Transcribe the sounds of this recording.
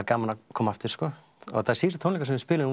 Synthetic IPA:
kaːmanakʰɔːmaft̪ɪɾ̥skɔː | ɔ̰ɣt̪ʰaðɛɾsiːsat̪ʰownlikasɛmɪspɪːlʏ

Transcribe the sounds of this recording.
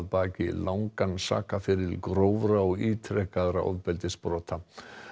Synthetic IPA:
ðpaːcɪlawŋkansa̰ːkafɪɾɪlkɾowvɾaɔɣiːt̪ʰɾɛkaðɾaʔɔ̰ðpɛlt̪ɪspɾɔːt̪ʰa

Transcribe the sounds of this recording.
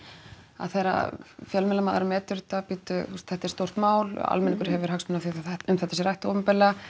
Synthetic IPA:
a̰ðθejɾa̰fjɛlmɛlamaːðaɾʏmɛːt̪ʏɾt̪apit̪ʏust̪θɛht̪ɛɾ̥st̪owr̥t̪maːwla̰lmɛniŋkʏɾ̥hɦɛvʏɾ̥ɦaksmɪnaθiʏmθɛht̪ːasɛɾajht̪o̰ːvʏmpɛla

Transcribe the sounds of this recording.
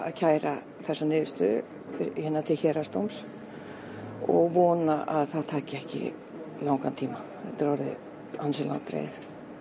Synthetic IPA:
a̰ðcʰaːjɾa | θɛsːanʏːðʏst̪ʏ | fɪhɛnːat̪ʰɪlçɛːɾast̪owms | ɔɣvɔːnaʔaðθaðt̪ʰaːcɪɛhcɪ̰ | lawŋkant̪ʰiːmaθɛt̪ɪɾvɔɾðɪ̰ | ansɪla̰wt̪ɾḛːjθ

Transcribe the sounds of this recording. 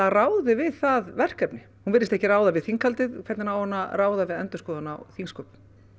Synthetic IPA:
araːwðɪvɪðθaðvɛr̥kɛpnɪ | hunvɪnːɪst̪ɛhçcɪraːwðavɪðθiŋkʰːalt̪ɪðkʰvɛt̪nɪnawhɔnːaraːwðavɪðɛ̰nt̪ʏskɔːðanawθiŋskœp

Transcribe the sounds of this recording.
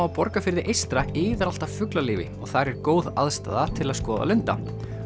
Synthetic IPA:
awpɔɾkafɪɾðɪʔejst̪ɾaʔɪːðɪɾal̥t̪av̥fʏklaliːvɪ̰ɔɣθaɾɛɾ̥koːwðaðst̪a̰ːðat̪ʰɪlaðskɔːða̰lʏnt̪a̰

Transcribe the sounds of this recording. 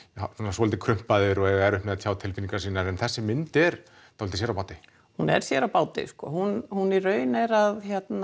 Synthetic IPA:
sɔnaswɔːlt̪ɪkʰɾʏm̥paðɪɾɔɛɣaɛɾʏhpmɛðat̪ʰaːwt̪ʰɪlfiniŋkaɾsiːnaɾɛnθɛsːɪmʏnt̪ɛɾ | θawlt̪ɪ̥sɛɾawpawt̪ɪ | hunɛ̰ɾ̥sjɛɾawpaːwt̪ɪ̰skɔ̰ːhunhunirœːɥnɛɾaðçjɛt̪na

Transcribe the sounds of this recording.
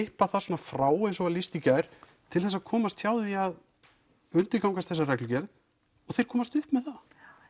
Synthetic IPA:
ɪhpaθaɾ̥soɔnafɾaːwejnsɔvalist̪icaɾ̥ | t̪ʰɪlθɛsːaðkʰɔːmast̪çjaːwðiað | ʏnt̪ɪɾkawŋkast̪θɛsːarɛklʏcɛɾð | ɔɣθejɾ̥kʰɔːmast̪ʏhpmɛðθa

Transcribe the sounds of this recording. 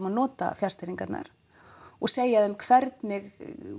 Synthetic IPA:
manɔːt̪a̰fjar̥st̪ɪɾiŋkat̪na̰ɾ̥ | ɔɣseːjaðɛmkʰvɛɾt̪nɪɣ

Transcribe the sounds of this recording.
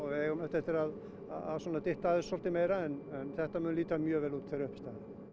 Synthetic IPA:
ɔɣɛɣmœht̪ɛft̪ɪɾað | a̰a̰ðsɔːnat̪ɪht̪aðɪsɔlt̪ɪmejɾaɛnɛnθɛht̪amʏːnliːt̪amjœːvɛːlut̪θeɾʏhpst̪aːðɪ

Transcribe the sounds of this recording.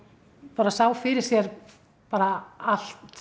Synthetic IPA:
paːɾasaːwfɪɾɪɾ̥sjɛɾ | paːɾaal̥t̪

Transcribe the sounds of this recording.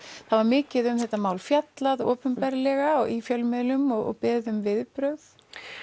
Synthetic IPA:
θaðvaɾmɪːcɪðʏmθɛht̪amaːwlfjat̪laðɔːpʏmpɛɾlɛɣaifjœlmɪðlʏmɔɣɔ̰ɣpɪːðʏmvɪðpɾœɥð

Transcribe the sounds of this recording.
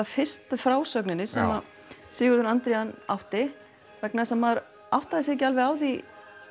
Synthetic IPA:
afɪ̥st̪fɾaːwsœknɪnːɪsɛma | sɪːɣʏɾðʏɾant̪ɾianaft̪ɪ | vɛknasɛmːaɾ | aft̪aðɪsjɛcːɪalvɛɣaːwði

